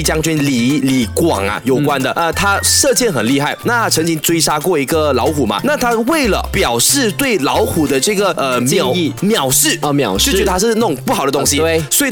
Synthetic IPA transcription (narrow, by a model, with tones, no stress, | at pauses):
t͡ɕjɑ˥ŋt͡ɕy˥nli˨˩li˨˩kwɑ̰˨˩ŋɐ̰˦jo˨˩ʊkwa˦nd̪ə˨ə˧t̪ʰa˥ʂɤ˥˧t͡ɕjɛ˥˩nxə˨˩nli˥˧xa˥˩ɪna˥˩a˥ʈ͡ʂʰɤ˧˥ŋt͡ɕi˦˥ŋt͡swe˥ɪʂa˥kwɔ˥˩i˧˥ɡə˨lɑ˧˥ʊxu˨˩mɐ̰˦na˥˩t̪ʰa˥we˥˩ɪlə̰˩pjɑ˨˩ʊʂɻ̩˥˧t̪we˥˩ɪlɑ˧˥ʊxu˨˩d̪ə˦ʈ͡ʂɤ˥˩ɡə˩ə˧˥˨i˥˧mjɑ˨˩ʊʂɻ̩˥˩˧mjɑ̰˨˩ʊʂɥɛ˧˥ə˧t̪ʰa˥ʂɻ̩˥˧nə˥˩˧ŋpu˥˩xɑ˨˩ʊd̪ə˦t̪ʊ˥ŋɕi˧we˥˩swɔ˧˥i˨